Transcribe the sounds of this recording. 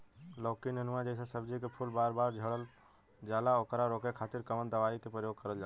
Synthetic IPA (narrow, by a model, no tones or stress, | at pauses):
lɔkinənuad͡ʒəɪsẽsəbd͡ʒikepʰulbaɾbaɾd͡ʒʱəɽəl | d͡ʒalaokɾaɾokekʰat̪iɾkəmənd̪əʋaikepɾəjoɡ̚kəɾəld͡ʒa